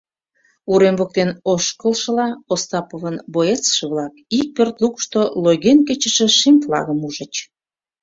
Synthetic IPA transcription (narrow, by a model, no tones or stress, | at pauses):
uɾembok̚t̪enoʃkəlʃə̆lɑost̪ɑpovənboet͡sʃə̆βlɑkik̚pørt̪lukʃt̪oloɣenket͡ɕə̆ʃĕʃimʲflɑ̰ɣəmuʒə̆t͡ɕ